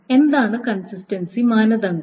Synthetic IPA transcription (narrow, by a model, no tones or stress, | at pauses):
e̞nd̪aːɳɨkɐnsistɐnsimaːnɐðɐŋ